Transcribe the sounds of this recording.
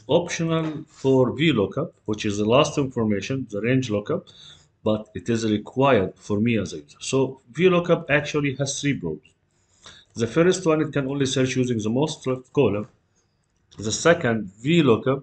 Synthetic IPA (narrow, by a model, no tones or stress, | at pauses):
ɔpʃənəlˠfɔɹvilokʰʌp̚wɪt͡ʃɨzðəlastɪ̃nfɔɹmeɪʃə̃nðəɾẽɪ̃nd͡ʒlokʌp̚ | b̥ʌtɨtɪzɹɪkʰw̥aɪəd̥̚fɔɹmiæzajəsovilokʌpæk̚t͡ʃulˠihæz̥θɹibɹoʊdz̥ | ðəfɜɾstwʌ̃nɨt̚kæ̃nõːnlisəɾt͡ʃjuːzɪ̃ŋðəmoʊstkɔlə | ðəsɛkə̃ndvilokʌp̚